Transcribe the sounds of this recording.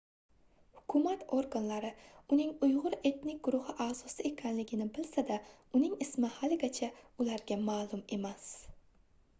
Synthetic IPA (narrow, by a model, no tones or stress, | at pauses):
hʊ̥kʰʊmat̪ʰoɾɡanlaɾɪʊnɪŋʊjʁʊɾe̞t̪nɪk̚ʲɡ̥ʊɾʊhɪʔazɒsɪe̞kʲʰanlɪɡʲɪnɪbɪlsad̪a | ʊnɪŋɪsmɪhalɪɡʲat͡ʃʰaʊlaɾɡʲamaːlˠʊme̞mas